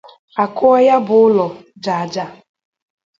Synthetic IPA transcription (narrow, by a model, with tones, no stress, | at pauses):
a˨kʊ˦ɔ˦ja˦bʊ˨˦ʊ˦lɔ˨d͡ʒa˨a˨d͡ʒa˦˨